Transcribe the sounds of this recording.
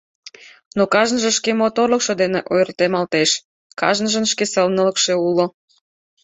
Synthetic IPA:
nokɑʒnəʒə̆ʃkemot̪orləkʃŏd̪eneʔojrt̪emɑlt̪eʃ | kɑ̰ʒnəʒənʃkeselnələkʃeulo

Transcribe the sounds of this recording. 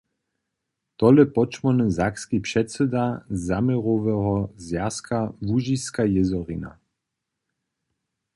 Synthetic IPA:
t̪ɔlɛpɔt͡ʃmɔnɛzakskipʂɛt̪sɛd̪azamɛʁɔvɛɦɔzjaskavuʒiskajɛzɔʁina̰

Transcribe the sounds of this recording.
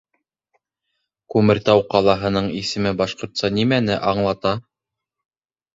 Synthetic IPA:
kʉmɘ̆ɾt̪ɑwqɑlˠɑɦɤ̆nɤɴisɘ̆mɘbɑʃqŏɾt̪sɑnimænɘʔɑɴlˠɑt̪ɑ

